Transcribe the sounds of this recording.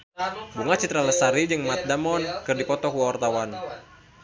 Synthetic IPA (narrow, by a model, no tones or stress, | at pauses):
buŋat͡ʃit̪ɾaləsaɾid͡ʒɨŋmat̪̚damɔnkɨrdipɔt̪ɔkuaɔrt̪awan